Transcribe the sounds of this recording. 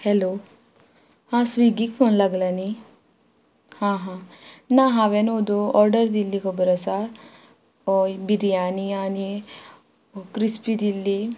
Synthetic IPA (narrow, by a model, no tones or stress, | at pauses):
helo | hãsʋiɡikpʰoːnlaɡlani | hãːɦãnãɦãʋenod̪oɔːɾɖəɾd̪ilːikʰobəɾɐsa | obiɾijaːniaːni | kɾispid̪ilːi